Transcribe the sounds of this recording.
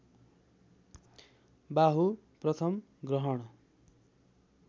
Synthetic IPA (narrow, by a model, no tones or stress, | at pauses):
baɦu | prʌt̪ʰʌm | ɡrʌɦʌɽ̃ʌ